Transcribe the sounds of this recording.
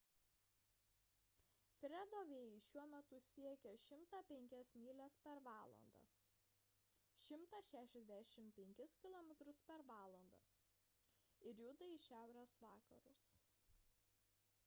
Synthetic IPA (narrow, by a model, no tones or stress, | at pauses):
fʲɾʲɛd̪oːʋʲeːjɛɪʃʲuɔmʲɛt̪ʊsʲiɛkʲɛʃʲɪmt̪ɑpʲɛŋʲkʲɛsmʲiːlʲɛspʲɛɾʋɑːlˠɐ̰nd̪ɑ̰ | ʃʲɪmt̪ɐʃʲæːʃʲɛzʲd̪ʲæʃʲɪmpʲɛŋʲkʲɪskʲɪlˠɔːmʲɛt̪ɾʊspʲɛɾʋɑːlˠɐ̰nd̪ɑ̰ː | ɪɾjʊd̪ɐɪʃʲæˑʊɾʲeːsʋɑːkɐ̰ɾʊs